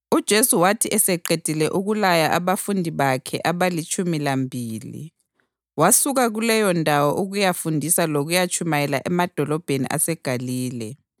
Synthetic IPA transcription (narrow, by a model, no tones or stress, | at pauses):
ud̥ʒ̥ʱesuwatʰiʔɛsɛǃed̥ʱilɛʔuɣulajaʔaβafundʱiβakʰɛʔaβalit͡ʃʼumilambʱiːlḭ | wasuɣaɣulɛjɔndʱawɔʔuɣujafundʱisaloɣujat͡ʃʰʼumajɛlaʔɛmad̥ʱɔlɔb̥ʱenḭʔa̰sɛɡ̥ʱaliːlɛ